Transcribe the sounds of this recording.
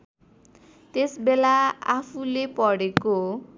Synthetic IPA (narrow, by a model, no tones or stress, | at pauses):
t̪esbelaapʰulepʌɽeko